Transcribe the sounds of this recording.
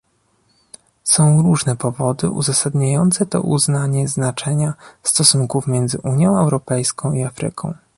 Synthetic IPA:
sɔ̃w̃ɾuʐnɛpɔvɔd̪ɘ̰ʔṵzasad̪ɲajɔnt̪sɛt̪ɔ̰ʔṵznaɲɛznat͡ʂɛɲast̪ɔsuŋkufmʲjɛnd̪zɘʔuɲjɔ̃w̃ɛwɾɔpɛjskɔ̃w̃iafɾɘ̰kʰɔ̃w̃

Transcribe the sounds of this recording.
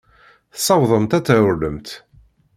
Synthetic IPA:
θsˤːɑwðˤəmt̪æt͡sːæʊɾləmt̪

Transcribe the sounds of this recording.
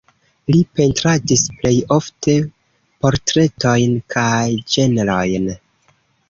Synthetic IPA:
lipe̞ntɾadisple̞jo̞fte̞ | po̞ɾtɾe̞to̞jnkʰajd͡ʒe̞nɾo̞jn

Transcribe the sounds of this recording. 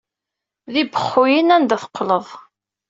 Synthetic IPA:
ðibəχːʊjinænd̪æθə̥qːləðˤ

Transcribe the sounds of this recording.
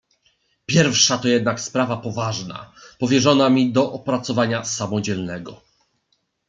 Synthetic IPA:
pʲjɛɾfʂat̪ɔjɛd̪nakspɾavapɔvaʐna̰pɔvʲjɛʐɔnamʲid̪ɔʔɔpɾat̪sɔvaɲasamɔd͡ʑɛlnɛɡɔ

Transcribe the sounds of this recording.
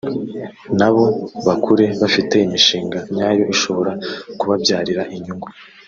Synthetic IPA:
naβo̞βakʰuɾe̞βafite̞imiʃiːŋɡaɲaːjo̞ʔiʃo̞βo̞ɾakuβavjaːɾiɾaʔiɲuŋɡwe

